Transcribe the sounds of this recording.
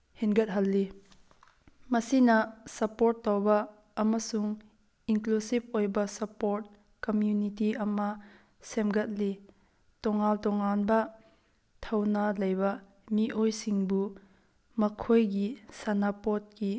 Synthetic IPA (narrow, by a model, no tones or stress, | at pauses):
hinɡɐt̚ɦɐlːi | mɐsinɐsɐpoɾtːawbɐː | mɐsuŋ | inklusip̚ojbɐsɐpoɾt̚ | kɐmjunitiʔɐmɐ | semɡɐt̚li | tɔŋaltɔŋanbɐ | tʰɐwnɐlɐjbɐ | miʔojsiŋbu | mɐkʰojɡisanapot̚ki